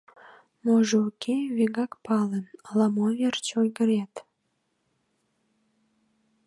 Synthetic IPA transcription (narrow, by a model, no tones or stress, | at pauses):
noʒeukʲʰeβeɣɑkpɑlenəlɑmovert͡ɕojɡəɾet̪